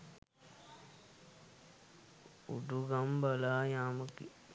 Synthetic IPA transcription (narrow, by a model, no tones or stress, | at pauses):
ṵɖuɡambalaːjaːməkḭ